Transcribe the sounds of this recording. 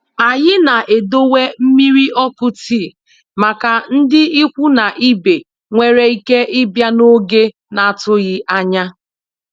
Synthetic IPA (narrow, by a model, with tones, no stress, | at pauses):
a˨ɲɪ˦na˨ʔe˨do˦we˦m̩˦mi˦ɾi˦ʔɔ˦kʊ˦tiː˦˨ | ma˨ka˨n̩˦dɪ˦i˦kʷu˦na˨ʔi˦be˨ | ŋʷe˨ɾe˨i˦ke˦ʔɪ˦bja˦no˦ɡe˦ | na˨tʊ˦ɣɪ˦ʔa˦ɲa˦